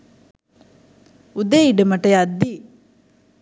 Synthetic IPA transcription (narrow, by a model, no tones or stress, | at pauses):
ud̪eiɖəmɐʈeɐd̪ːi